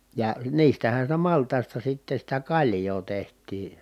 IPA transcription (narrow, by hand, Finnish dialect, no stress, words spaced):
jɑ niːstæhæn̞ sitæ mɑltˑɑˑi̯stɑ sitːe sitæ kɑlʲjoː tehtˑiː